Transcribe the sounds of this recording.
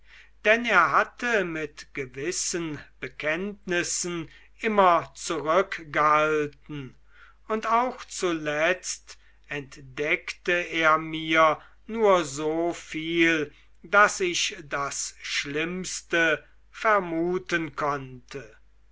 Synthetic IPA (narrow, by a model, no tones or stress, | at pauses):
d̥ɛneːɐɦatʰəmɪtɡ̥əvɪsənb̥əkʰɛntnɪsn̩ | ʔɪmɐt͡suʁʏkɡ̥əhhaaltn̩ | ʊntaʊxt͡sulɛt͡st | ɛntd̥ɛktəeːɐmiːɐ | nuːɐzoːfiːl | dasɪʃdasʃlɪmstə | fɛɐmuːtənkʰɔntʰə